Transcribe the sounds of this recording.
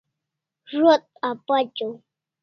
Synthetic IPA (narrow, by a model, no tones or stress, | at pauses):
ɾot̪̚apat͡ʃaw